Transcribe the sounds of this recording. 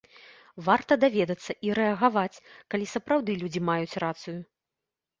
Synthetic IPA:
vart̪ɐd̪avʲɛd̪ɐt̪sːɐʔiɾɛɐɣavat͡sʲkalʲisɐpɾawd̪ɨlʲud͡zʲimajut͡sʲrat̪sɨju

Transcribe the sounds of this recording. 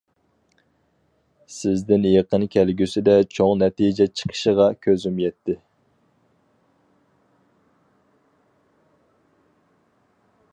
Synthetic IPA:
sɪzd̪ɪnjeqənkʲʰælɡʲysɪd̪ɛt͡ʃʰoŋnɛt̪id͡ʒɛt͡ʃʰə̥qʰə̥ʃəʁɑkʲʰøzymjɛt̪ʰːɪ

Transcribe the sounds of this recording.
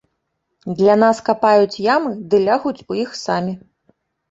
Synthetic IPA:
d̪lʲanaskapajut͡sʲjamɨd̪ɨlʲaɣut͡sʲujixsamʲi

